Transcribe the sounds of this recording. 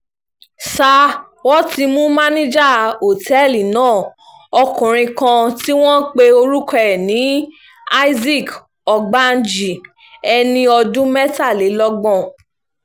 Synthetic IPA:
sa˧ | wɔ˦ti˧mũ˦mã˦nĩ˦d͡ʒa˦˨o˨tʰɛ˦˨li˨nãː˦˨ | ɔ˧kũ˨ɾ̃ĩ˧kã˧ti˦w̃ɔ̃˦k͡pe˧o˧ɾu˦kɛ˦˨nĩ˨˦ | a˦i˦zi˦˨k | ɔ˧ɡ͡ba˦n˦d͡ʒi˨ | ɛ˧nĩ˧ɔ˧dũ˦mɛ˦ta˦˨le˨˦lɔ˦ɡ͡bɔ̃˦˨

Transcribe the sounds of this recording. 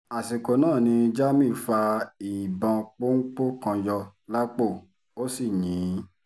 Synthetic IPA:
a˨si˨ko˨nãː˦˨nĩ˧d͡ʒa˦mĩ˦˨fa˧i˨bã˧k͡po˦ŋ̩˦k͡po˦kã˧jɔ˧la˦k͡po˦˨ | o˦si˦˨ɲĩ˨˦

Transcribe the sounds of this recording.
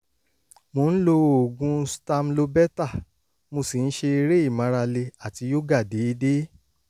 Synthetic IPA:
mõ˨˦ñ̩˦lo˧o˨ɡũ˧˦stã˧mlo˧bɛ˦ta˦˨ | mo˧si˨n̩˦ʃe˧i˧ɾe˦i˦˨mã˨˦ɾa˧le˧a˨ti˧˦jo˦ɡa˦˨de˨˦i˧de˦

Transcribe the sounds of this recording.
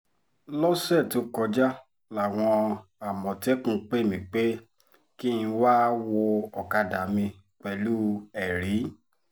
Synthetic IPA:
lɔ˦sɛ˦˨to˨˦kɔ˧d͡ʒa˦ | la˨w̃ɔ̃˧a˨mɔ̃˨tɛ˦kũ˦˨k͡pe˦˨mĩ˨k͡pe˦ | ki˦ĩ˧wa˦wo˧ɔ˨ka˧da˨mĩ˧ | k͡pɛ˨lu˦ɛ˨ɾi˨˦

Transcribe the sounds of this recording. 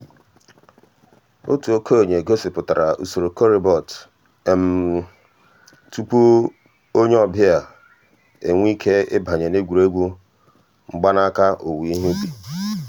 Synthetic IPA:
o˦tu˨o˦kʰo˦˨ɲe˨ɡo˦si˨pʊ˨ta˨ɾa˨ʔu˨so˨ɾo˨ko˦ɾi˨bɔ˨t | e˨m̩˨ | tu˦pu˦ | o˦ɲe˦ɔ˦bɪ˦a˨ | e˨ŋʷ˦i˦kʰe˦ɪ̰˦bʱa˨ɲe˨ne˦ɡʷu˨ɾe˦ɡʷu˦ | ŋ͡m̩˦ɡ͡ba˦na˦ka˦ʔo˨wi˨i˦ɦu˦bi˨

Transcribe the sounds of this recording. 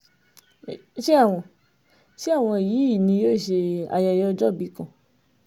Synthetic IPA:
ʃe˦a˦˨w̃ɔ̃˧˨ | ʃi˦a˦˨w̃ɔ̃˧i˨jiː˨˦i˦˨nĩ˧jo˦˨ʃe˧a̰˨ja˨jɔ˦˧d͡ʒɔ˦˨bi˨˦kã˦˨

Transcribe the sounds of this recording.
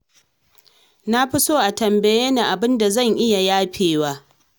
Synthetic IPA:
na˦ɸi˦soː˦ʔa˨tɐ˨mbɐ˨jeː˦na˨ʔa˨bɪ˦nda˨zɐ˦˨ŋʔɪ˦ja˨jaː˦ɸʰeː˨waː˦

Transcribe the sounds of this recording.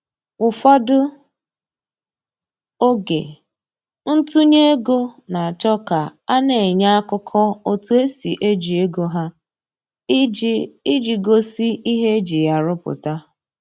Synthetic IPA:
ʊ˨fɔ˦dʊ˦ | o˦ɡḛ˨ | n̩˦tu˦ɲe˦e˦ɡo˦na˨a˨t͡ʃɔ˦ka˨a˦ne˨ɲa˦a˦kʊ˦kʰɔ˦o˦tu˦e˦si˨ʔe˦d͡ʒi˨e˦ɡo˦ɦa˦ | i˦d͡ʒi˨ɡo˦si˦ʔi˦ɦe˦e˦d͡ʒi˨ja˨ɾʊ˦pʊ̰˨ta˦

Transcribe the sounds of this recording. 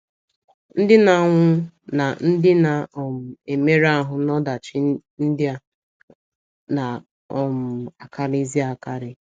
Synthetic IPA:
n̩˦dɪ˦na˨ŋʷʊ˦ | na˨n̩˦dɪ˦na˨ɔ˨mʊ˨e˨me˦ɾa˦ɦʊ˨nɔ˦da˨t͡ʃɪ˦n̩˦dɪ˦a˦ | na˨ | ɔ˨mʊ˨a˨ka˦ɾi˦zi˦a˨ka˦ɾɪ˨

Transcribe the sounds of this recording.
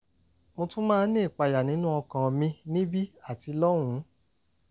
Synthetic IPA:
mõ˧tũ˦mãː˦nĩː˦˨k͡pa˨˧ja˨nĩ˦nũ˦ɔ˧kã˨mĩ˧nĩ˦bi˦a˦˨ti˨˧lɔ˦w̃ũ˨˦

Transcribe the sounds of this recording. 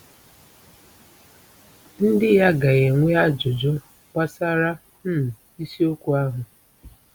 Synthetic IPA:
n̩˦dɪ˦ja˦ɡa˨ɣe˨ŋʷe˦a˦d͡ʒʊ˨d͡ʒʊ˦ | kʷa˦sa˦ɾa˦ | m̩˦m̩˨ | i˦si˦o˦kʷu˨a˦ɦʊ˨

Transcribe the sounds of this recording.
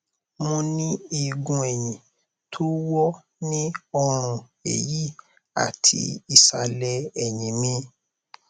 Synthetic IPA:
mõ˧nĩ˦i˧ɡũ˧ɛ˨j̃ĩ˨ | tʰo˦wɔ˦ | nĩ˦ɔ˧ɾ̃ũ˧ | ḛ˨ji˦ | a̰˨tʰḭ˧i˨sa˧lɛ˧ɛ˨jĩ˨mĩ˧˦

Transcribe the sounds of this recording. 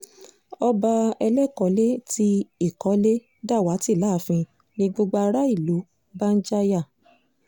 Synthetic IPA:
ɔ˧ba˧ɛ˧lɛ˦˨kɔ˨˦le˦ti˧i˦˨kɔ˨˦le˦ | da˦˨wa˨˦ti˦˨la˨˦fĩ˧ | nĩ˧ɡ͡bo˧ɡ͡ba˧ɾa˦i˦˨lu˨˦ | ba˦n̩˦d͡ʒa˦ja˦˨

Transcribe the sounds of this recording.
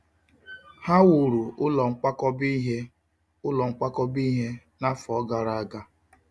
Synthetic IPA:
ha˦wʊ˨ɾu˨ʊ˦lɔ˨ŋ͡m̩˦k͡pa˦kɔ˦bi˦ɦe˦ | ʊ˦lɔ˨ŋ͡m̩˦k͡pa˦kɔ˦bi˦ɦe˦na˦fɔ˨ɔ˦ɡa˨ɾa˦˨a˨ɡa˦

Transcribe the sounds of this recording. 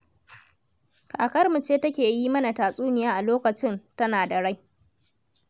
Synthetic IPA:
kʰaː˨kɐ˦rmu˨t͡ʃeː˦tɐ˦kʲeː˨ji˦mɐ˦na˨taː˨sʼuː˦nɪ˨jaː˦ʔa˨loː˦kɐ˨t͡ʃɪ˦ntɐ˦naː˨da˨ɽa˦j

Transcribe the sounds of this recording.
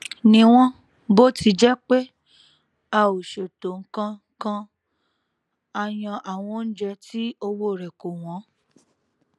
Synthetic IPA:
nĩ˧˦w̃ɔ̃˦ | bo˦tʰi˧d͡ʒɛ˦k͡pe˦ | a˧˨o˨ʃe˨to˨ŋ̩˦kã˧ | kã˦ | a˧j̃ã˧ʔa˨w̃ɔ̃˧˦n̩˦d͡ʒɛ˧tʰi˦o˧wo˦˨ɾɛ˨ko˨w̃ɔ̃˨˦

